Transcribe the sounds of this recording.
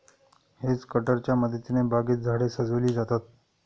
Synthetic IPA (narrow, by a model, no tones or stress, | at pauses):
het͡skəʈəɾt͡ɕjaməd̪ət̪inebaɡiːt̪̚d͡zʱaɽesəd͡zəʋliːd͡zat̪at̪̚